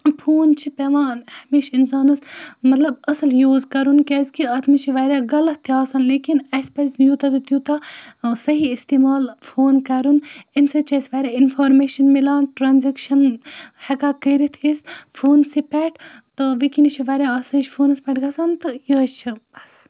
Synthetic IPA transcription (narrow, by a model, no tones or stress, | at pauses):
pʰoːnt͡ʃʰipeʋaːnhɐmeːʃinsaːnɐsmɐt̪lɐbɐsɐljuːzkɐɾunkezkiɐt̪ʰmit͡ʃʰiʋɐɾʲjaːɡɐlɐt̪ʰjaːsɐnleːkinɐspɐzjut̪ɐzɨt̪jut̪asɐɦiːst̪imaːlfʰoːnkɐɾuninsɐt͡ʃɐsʋɐɾʲaːinfʰoːɾmeːʃɐnmilaːnʈɾaːnzɐkʃɐnhɐkaːkəːɾit̪ʰisfʰoːnsipɛʈʰ | t̪ɨʋikinit͡ʃʰiʋɐɾʲjaɐsɐt͡ʃʰpʰoːnɐspɛʈɡɐsant̪ɨjət͡ʃʰibɐs